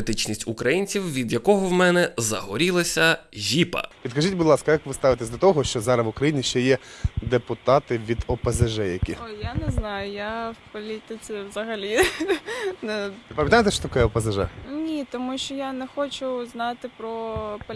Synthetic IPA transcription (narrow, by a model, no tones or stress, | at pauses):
t̪ɪt͡ʃnʲisʲtʲukɾɐjinʲt͡sʲiwʋʲid̪jɐkɔɦɔwmɛnɛzɐ̰ɦɔɾʲilˠɐsʲɐʒʲipɐ̰ʋʲid̪kɐʒitʲbʊd̪lˠɑskɐjakʋɪst̪ɑʋɪt̪esʲd̪ɔt̪ɔɦɔʃt͡ʃɔzɑɾɐʋʊkɾɐjinʲiʃt͡ʃɛjɛd̪epʊt̪ɑt̪ɪʋʲid̪ɔpɐzɐʒɛjɐkʲijanɛznɑjʊjawpɔlʲit̪ɪt͡sʲiwzɐɦɐlʲi | nɛɪpɐmʲjɐt̪ajet̪ɛʃt͡ʃɔ̥t̪ɐkɔjɛɔpɐzɐʒɛ̰nʲit̪ɔmuʃt͡ʃɔjanɛxɔt͡ʃʊznɑt̪ɪpɾɔpɔ